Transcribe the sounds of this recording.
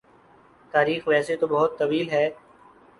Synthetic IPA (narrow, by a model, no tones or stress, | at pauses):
t̪aːɾiːxʋɛːset̪obəɦʊt̪ːəʋiːlɦɛː